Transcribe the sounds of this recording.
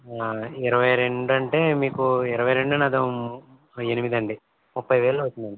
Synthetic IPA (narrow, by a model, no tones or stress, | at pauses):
iɾɐʋɐjɾe̞ɳɖɐɳʈe̞ːmiːkuiɾɐʋɐjɾeɳɖɐnɐd̪ɐ | enimid̪ɐɳɖi | mupːɐjʋeːlɐːʋɐt͡ʃːind̪ɐɳɖi